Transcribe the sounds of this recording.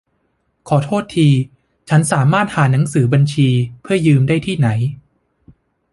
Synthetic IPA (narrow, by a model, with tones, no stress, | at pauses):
kʰɔː˩˦t̪ʰoː˥˩t̪ʰːiː˧ | t͡ɕʰa˦˥nsaː˩˦maː˥˩t̪̚haː˩˦na˩˦ŋsɯː˩˦ba˧nt͡ɕʰiː˧pʰɯ˥˩ɐjɯː˧mdaː˥˩jt̪ʰiː˥˩na˩˦j